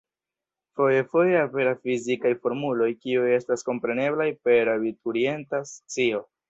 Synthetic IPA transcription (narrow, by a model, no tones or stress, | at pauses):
foje̞fo̞jeape̞ɾasfizikajfo̞ɾmulo̞jkiuje̞stasko̞mpɾe̞ne̞blajpe̞ɾabituɾie̞ntast͡sio̞